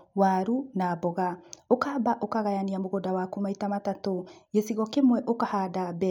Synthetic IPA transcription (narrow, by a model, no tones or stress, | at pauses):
waɾunabɔɣaokabaʔokaɣajaniamoɣodawakumaitamatatojesiɣɔkemwɛʔokahadabɛ